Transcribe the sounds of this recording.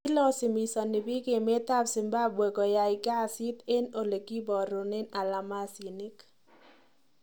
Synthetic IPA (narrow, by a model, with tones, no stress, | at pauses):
lɔ˦sɪ˨mi˨sɔ˨ni˨bi˦ɡe˨me˦t̪a˦bsɪ˨mba˦bwe˨ɡɔ˨ja˨ɪ˨ɡa˦˨si˦t̪e˦no˨le˨ɡi˦bɔ˨ɾo˨nɛ˦na˨la˨ma˦si˨ni˦k